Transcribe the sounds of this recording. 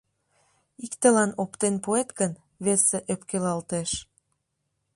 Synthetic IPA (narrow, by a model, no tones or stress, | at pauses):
ikt̪ə̆lɑnopt̪enpoet̪ɡən | βeseʔøpkelɑlt̪eʃ